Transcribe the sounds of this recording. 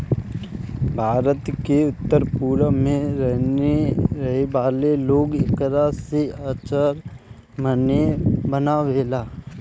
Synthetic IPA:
bʱaːɾət̪keʊt̪ːəɾpuːɾəmẽɾɛɦeɾɐɦeʋaːleloːɡɪkɾaseat͡ʃəɾ | mənebənaʋeːlaː

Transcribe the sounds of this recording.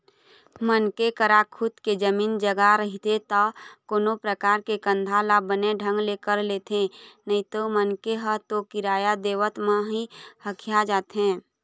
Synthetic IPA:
mənkekəɾakʰʊd̪ked͡ʒəmiːnd͡ʒəɡaɾəɦit̪et̪ɔkoːnopɾəkaːɾkekə̃nd̪ʱalabəneɖʱə̃ŋɡlekəɾleːt̪ẽnəĩt̪omənkeɦət̪okɪɾaːjad̪eːʋət̪mãɦihəkʰijad͡ʒaːt̪ɦɛ̃ː

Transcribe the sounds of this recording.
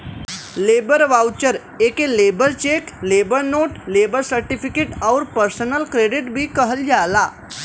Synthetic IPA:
leːbəɾʋawt͡ʃəɾ | ekelebəɾt͡ʃeklebəɾnoːʈleːbəɾsəɾʈifʰikeːʈaʊɾpəɾsənəlkɾeɖiʈbʱikəɦəld͡ʒala

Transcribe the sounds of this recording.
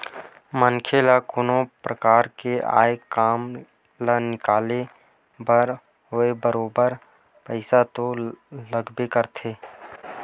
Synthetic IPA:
mənkʰelakʊnõpɾəkaːɾkea̰ːekaːm | lənɪkaːle | bəɾ | ɦʊebəɾoːbəɾ | pəɪsat̪oləɡbekəɾt̪ʰeː

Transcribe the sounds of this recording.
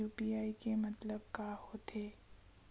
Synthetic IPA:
uːpiːaːikemɐt̪ləb̚kaːhoːt̪ʰeː

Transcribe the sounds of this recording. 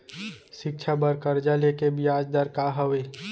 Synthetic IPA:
ʃɪk̚t͡ʃʰabəɾkəɾd͡ʒalekebijaːd͡ʒd̪əɾkaɦəweː

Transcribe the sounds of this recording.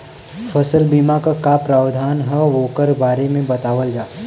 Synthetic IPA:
fʰəsəlbiːmakakapɾaːʋd̪ʱaːnɦəʋoːkəɾbaːɾemẽbɐt̪aːʋəld͡ʒaː

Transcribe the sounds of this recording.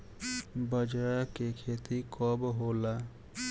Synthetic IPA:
bəd͡ʒɾakekʰeːt̪ikɔbɦoːla

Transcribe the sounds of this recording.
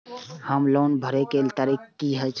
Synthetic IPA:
həmloːnbʱəɾekelt̪aɾikkːiɦət͡ʃ

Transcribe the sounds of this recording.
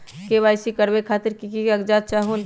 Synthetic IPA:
keβajsikəɾbekʰaːt̪ɪɾkikiəɡd͡ʒat̪̚t͡ʃaɦun

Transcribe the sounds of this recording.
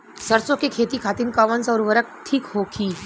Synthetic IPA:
səɾsõkekʰeːt̪ikʰaːt̪inkaʋənsɔɾʋəɾək̚ʈʰiːkɦokʰiː

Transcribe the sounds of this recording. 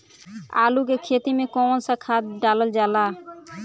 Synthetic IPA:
a̰lukekʰet̪imekɔnsakʰat̪̚ɖalold͡ʒala

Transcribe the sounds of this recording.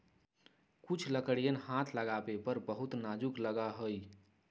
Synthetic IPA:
kut͡ʃʰləkəɽijənɦat̪ʰləɡabepəɾbəɦut̪nad͡ʒukləɡaɦoj

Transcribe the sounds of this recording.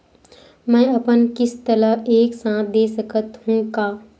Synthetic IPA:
mɛ̃ːɐpənkɪst̪ələeːksãːd̪eːsəkət̪hũːkaː

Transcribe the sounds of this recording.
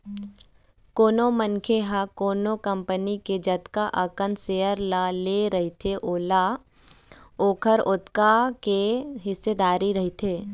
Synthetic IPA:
koːnomənkʰeɦakoːnokə̃mpəniked͡ʒɐt̪kaʔəkənseːəɾlaleɾɐɦit̪ʰeʔoːla | oːkʰəɾʊt̪kakeɦɪsːed̪aːɾiɾɐɦit̪ʰeː

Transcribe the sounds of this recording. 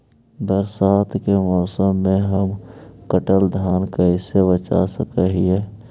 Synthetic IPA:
bəɾsaːt̪ʰkemɔːsəmːẽɦəmkəʈəld̪ʱaːnkɐisebət͡ʃa̰səkəɦiɛː

